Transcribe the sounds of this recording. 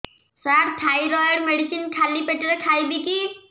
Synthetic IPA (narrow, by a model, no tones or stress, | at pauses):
saɾt̪ʰajɾɔjɔɾmeɽisinkʰalipeʈɾɛkʰajbiki